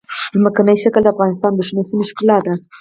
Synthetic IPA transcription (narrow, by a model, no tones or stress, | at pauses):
zməkanəjʃakəld̪əafɣɑnɪst̪ɑnd̪əʃmesinɪʃkɪlɑt̪̚d̪a